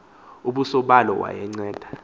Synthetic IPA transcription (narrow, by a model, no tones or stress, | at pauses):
uɓusɔɓalɔ̰wa̰jɛŋ͡ǀɛːd̥ʱḁ